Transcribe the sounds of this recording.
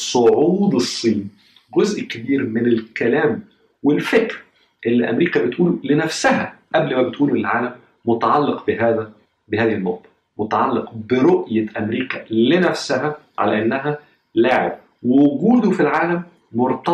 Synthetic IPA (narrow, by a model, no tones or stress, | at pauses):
sˤoʕuːd̪ɑsˤːiːn | ɡozʔkæbiːɾmenelkælæːm | welfekɾæ | ʔelːiʔæ̰mɾiːkæbet̪ʔuːllenæfsæɦæ̰ʔæblmæbet̪ʔuːlnelʕa̰ːlæmː | ot̪ɑʕɑlːeqbɪɦæːd̪æ | bɪhæːðihinːoq̚t̪ˤːɑ̥ | mot̪ɑʕɑlːeqbɪɾoʔjæʔæmɾiːkælenæfsæɦæʕa̰læʔenːæɦæ | laːʕḛb̚ | wewɡuːd̪ofilʕaːlæmː | oɾt̪ɑ